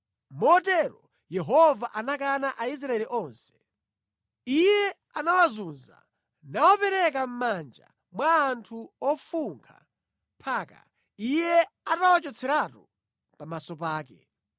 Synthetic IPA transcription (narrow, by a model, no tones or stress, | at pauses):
mɔːtɛɾɔ | jɛɦɔvaʔanak̬anaʔais̬ɾaɛliʔɔnsɛ̥ | ijɛ | anawazunza̰ | nawɔpɛɾɛk̬am̩mand͡ʒa̰ | mwaːntʰuɔfuŋkʰa̰ | pʰaːka̰ | ijɛatawat͡ʃɔt͡sʰɛɾatu | pamasɔpaːkɛ̰